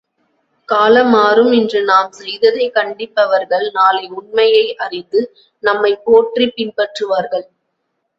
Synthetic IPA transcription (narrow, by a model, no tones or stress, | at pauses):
kaːlɐmaːɾɯmɪndrɯnaːmsɛjðɐðɐɪkɐɳɖɪpːɐʋɐɾɣɐɭnaːlɐɪʊɳmɐjɐɪʔɐrɪnd̪ɯ | nɐmːɐɪkːoːʈripːɪnpɐʈrɯʋaːɾɣɐɭ